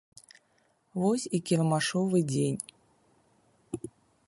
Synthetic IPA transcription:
vosʲikʲɪɾmaʂovɨdʲenʲ

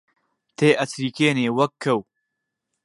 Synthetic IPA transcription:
t̪ʰeːʔɐt͡sʰɾiːkeːneːwɐkʰːɐw

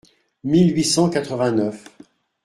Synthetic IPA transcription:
milɥisɑ̃kat̪χəvɛ̃nœf

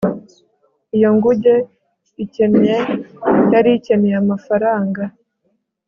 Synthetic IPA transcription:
ijo̞ŋɡuɟe | ice̞njejaɾice̞neamafaɾaːŋɡa

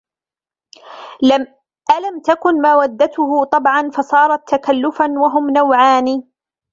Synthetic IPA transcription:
ʔalamt̪akʊnmawad̪ːat̪ʊɦʊt̪ˤɑbʕɑnfɑsˤɑːɾˤɑt̪ːakalːʊfanwaɦʊmnawʕaːniː

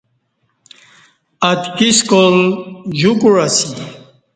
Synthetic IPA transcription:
at̪kʼiskʼɔld͡ʑukʼuɾasi

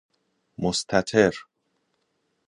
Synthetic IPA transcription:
most̪ʰæt̪ʰeɾ

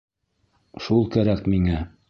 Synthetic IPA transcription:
ʃulˠkæɾækmiŋæ

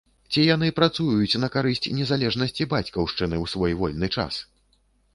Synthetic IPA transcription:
t͡sʲijanɨpɾat̪sujjut͡sʲnɐkaɾɨsʲt͡sʲnʲɛzalʲɛʐnɐsʲt͡sʲibat͡sʲkɐwʂt͡ʂɨnɨwsvɔjvɔlʲnɨt͡ʂa̰s

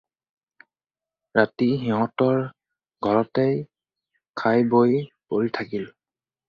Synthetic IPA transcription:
ɹatiɦiɦɔ̃tɔɹ | ɡʱɔɹɔtej | kʰajbojpoɹitʰakil

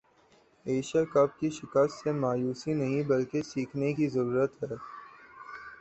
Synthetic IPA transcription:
eːʃəkɐb̚kiʃɪkəst̪semaːjuːsinɐɦĩbɐlkesiːkʰnekizɐɾuːɾət̪ɦɛː

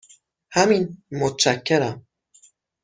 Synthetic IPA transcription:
hæminmot̪ʰt͡ʃæcʰːeɾæm

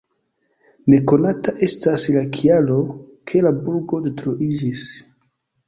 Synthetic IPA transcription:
ne̞ko̞nataʔe̞staslakʰialo̞kʰe̞labulɡo̞detɾoʔid͡ʒis

